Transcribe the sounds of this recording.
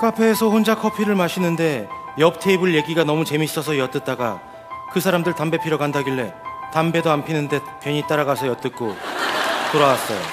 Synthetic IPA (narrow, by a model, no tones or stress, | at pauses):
k͈apʰe̞ːsʰʌɸond͡ʑakʰʌpʰiɾɯɭmaɕʰinɯnde̞ | jʌp̚tʰeibɯɭje̞ɡiɡanʌmut͡ɕe̞mis͈ʌsʰʌjʌt͈ɯt̚t͈aɡa | kɯsʰaɾamdɯɭtambe̞pʰiɾoɡandaɡiɭːe̞tambe̞doampʰinɯnde̞ | pjʌɲit͈aɾaɡasʰʌjʌt͈ɯk͈o | toɾawas͈ʌjo̰